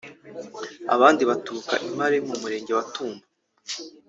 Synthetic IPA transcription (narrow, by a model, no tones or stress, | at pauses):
a̰βaːndiβatuɾuka̰ʔimaɾe̞mumuɾe̞ːɲɟe̞watuːmba